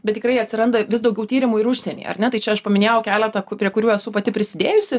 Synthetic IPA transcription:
bʲɛt̪t̪ʲɪkɾɐɪɐt̪ʲsʲɪɾɐnd̪ɐʋʲɪsd̪ɐʊɡʲɛʊt̪ʲiːɾʲɪmuɪɾʊʃʲsʲɛnʲḭːɐ̰ɾnʲɛt̪ɐɪt͡ʃʲɛɐʃpɐmʲɪnʲeːjɛʊkʲæːlʲɛt̪ɐkpʲɾʲiɛkʊɾʲuːɛsʊpɐt̪ʲɪpʲɾʲɪsʲɪd̪ʲeːjʊsʲɪ

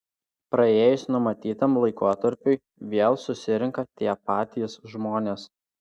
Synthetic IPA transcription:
pɾɐeːjʊsnʊmɐt̪ʲiːt̪ɐmlˠɐɪkoːt̪ɐɾʲpʲʊɪ | ʋʲeːlˠsʊsʲɪɾʲɪŋkɐt̪ʲiɛpɑːt̪ʲisʒmoːnʲeːs

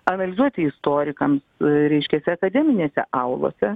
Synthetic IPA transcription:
ɐnɐlʲɪzuɔt̪ʲɪɪst̪oːɾʲɪkɐmsɾʲɛɪʃʲkʲɛsʲɛɐkɐd̪ʲɛmʲɪnʲeːsʲɛ̰ʔɐʊlˠo̰ːsʲɛ

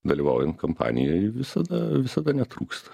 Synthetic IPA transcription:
d̪ɐlʲiːʋɐʊjɛnt̪̚kɐmpɑ̰ːnʲɪ̰jojʋʲɪsɐd̪ɐʋʲɪsɐd̪ɐnʲɛt̪ɾuːkst̪ɐ̥

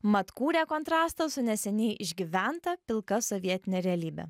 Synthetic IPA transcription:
mɐt̪kuːɾʲæːkɔnt̪ɾɑːst̪ɐsʊnʲɛsʲɛnʲɛɪʔɪʒʲɡʲiʋʲænt̪ɐpʲɪlˠkɐsɔʋʲiɛt̪ʲɪnʲeːɾʲɛɐlʲiːbʲɛ̰

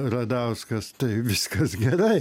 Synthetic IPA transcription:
rɐd̪ɐʊskɐst̪ɐɪʋʲɪskɐsɡʲɛɾɐɪ

